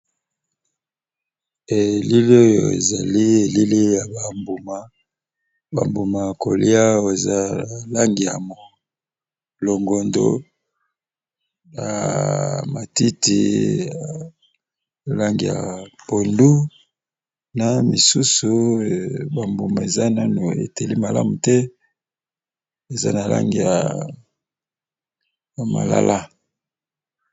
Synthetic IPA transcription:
e˨li˦li˦o˦jo̰˨ḛ˨za˨li˦e˨li˦li˦ja˨ba˨mbu˨ma˨ | ba̰˨mbu˨ma˨ko˨li˦a˦o˦˨e˨za˦˨la˦ŋɡi˨ja˨mo˨ | lo˨ŋɡo˨ndo̰˦ | ja̰˨ | ma˨ti˦tḭ˦a˨ | la˦ŋɡi˨ja̰˨po˨ndu˦ | na˨mi˨su˦su˨ | ba˨mbu˨ma˨e˨za˦na˦nu˨ḛ˨te˨li˦ma˨la̰˦mu˨tɛ˦ | e˨za̰˦na˨la̰˦ŋɡi˨ja̰˨ | ja˨ma̰˨la̰˦la˦

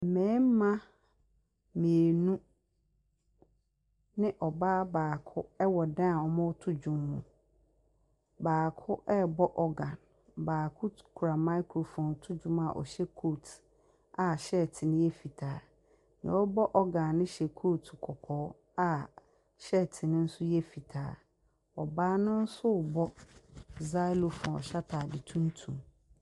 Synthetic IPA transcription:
m̩˨mɛ̃˨˦m˦mã˦ | mĩ˨e˨nũ˦ | nɪ̃˦ʔɔ˨baː˦baː˨kʰʊ˦ɛ˦wɔ˨dã˦˨ɔ˨mã˦wɔ˦tʰʊ˦d͡ʑũ˦mːṵ̃˨ | baː˨kʰʊ˦ʔɛ˦bɔ˦ʔɔ˦ɡã˨n | baː˨kʰʊ˦kʰu˨ɾa˨mã˦i˦kʰɾo˨fɔ̃˨n˨tʰʊ˦d͡ʑũ˦ma̰˨ʔɔ̰˨ɕɛ˦kʰo˦t | a˨ɕɛ˦˨tʰɪ˨nɪ̃˦jɛ˦fi˨tʰaː˨˦ | nɪ̃˨wɔ˦bɔ˦ʔɔ˦ɡã˨nːɪ̃˦ɕɛ˨kʰo˦tʰkʰɔ˨kʰɔː˦ | a˦˨ | ɕɛ˦˨tʰɪ˨nɪ̃˦n̩˦sʊ˦jɛ˦fi˨tʰaː˨˦ | ɔ˨baː˦nʊ̃˦n̩˦sʊ˦˨bɔ˦ | za˦jlo˨fɔ̰̃˨ɕa˦tʰa˨dɪ˨tʰũ˦n˦tʰũ˨m

